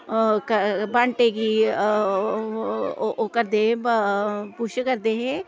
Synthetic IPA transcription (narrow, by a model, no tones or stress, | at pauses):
kəbaɳʈeki | okəɾd̪eẽ | puʃkɐɾd̪eɦẽ